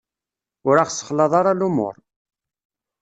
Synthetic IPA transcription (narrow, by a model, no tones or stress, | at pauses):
ʊɾaχsə̥χlɑðˤɑɾˤɑlumo̰ɾˤ